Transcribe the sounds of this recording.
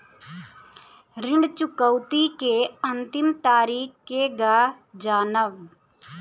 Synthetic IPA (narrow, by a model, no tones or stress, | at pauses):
ɾɪ̃ɳɖt͡ʃʊkəwt̪ikeənt̪ɪmt̪aːɾiːkkeɡaː | d͡ʒaːnəʋ